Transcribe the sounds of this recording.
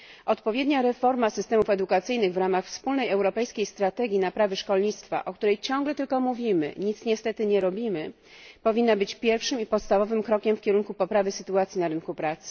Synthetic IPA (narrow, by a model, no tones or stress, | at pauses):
ʔɔt̪pɔvʲjɛd̪ɲaɾɛfɔɾmasɘst̪ɛmufɛd̪ukat̪sɘjnɘɣvɾamaxfspulnɛjɛwɾɔpɛjskʲejst̪ɾat̪ɛɡʲinapɾavɘʂkɔlɲit̪st̪fa̰ʔɔk̚t̪uɾɛjt͡ɕɔŋɡlɛt̪ɘlkɔmuvʲimɘ̰ɲit̪sɲɛst̪ɛt̪ɘɲɛɾɔbʲimɘ | pɔvʲinːabɘt͡ɕpʲjɛɾfʂɘmipɔt̪st̪avɔvɘmkɾɔkʲɛmfkʲɛɾunkupɔpɾavɘsɘt̪uat̪sʲjinaɾɘnkupɾat̪sɘ̥